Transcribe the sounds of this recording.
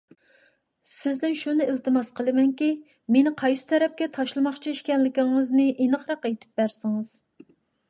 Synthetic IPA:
sɪzd̪ɪnʃunɨɪlˠt̪ʰɨmɑsqʰəlˠɨmɛnkʲi | menɪqʰɑjsɨ̥t̪ʰɛɾɛp̚kʲɛt̪ʰɑʃlˠɨmɑχt͡ʃʰiiʃkʲɛnlɪkʲɪŋɨznɨʔinɨqɾɑqet̪ʰɪ̥p̚bæɾsɪŋɨz̥

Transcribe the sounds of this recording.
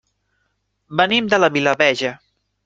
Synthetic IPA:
bənimd̪ələβiləβɛʒə

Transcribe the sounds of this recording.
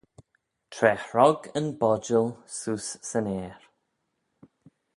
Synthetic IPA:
tʰɾɛhɹɔɡənbɔd͡ʒəlˠsuːsːəneːɹ

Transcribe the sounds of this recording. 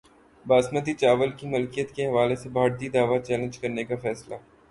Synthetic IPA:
baːsmət̪̬it͡ʃaːʋəlkimʊlkijət̪keɦɐʋaːlesebʱaːɾt̪id̪aːʋat͡ʃɛːlə̃nd͡ʒkɐɾnekafɛːsla

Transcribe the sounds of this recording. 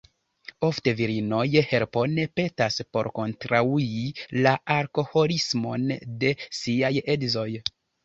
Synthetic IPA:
o̞fte̞viɾino̞jhe̞ɾpo̞nepe̞taspo̞̰ɾko̞ntɾauilaaɾko̞ho̞lismo̞nde̞siaje̞dzo̞j

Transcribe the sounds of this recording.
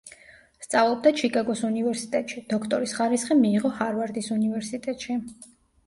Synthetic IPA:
st̪sʼavlˠɔb̚d̪at͡ʃʰikʼaɡɔsunivɛɾsi̥t̪ʼɛt̪ʼʃid̪̥ɔkʰt̪ʼɔɾisχaɾisχimiːʁɔhaɾvaɾd̪isunivɛɾsit̪ʼɛt̪ʼʃi

